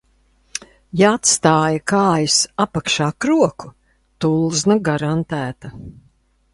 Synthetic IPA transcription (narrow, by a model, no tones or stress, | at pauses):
jaat̪st̪aːjɐkaːjisapakʃaːkɾuɔku | t̪ulˠznaɡaɾant̪æːt̪ɐ